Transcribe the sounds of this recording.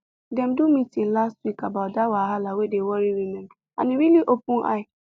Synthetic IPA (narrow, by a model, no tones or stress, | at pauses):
dɛ̃mdumitĩŋlastwikabatdawaɦalawedewɔɾiɾimɛ̃mã̰nɪɾiliʔopʊ̃nʔa̰ɪ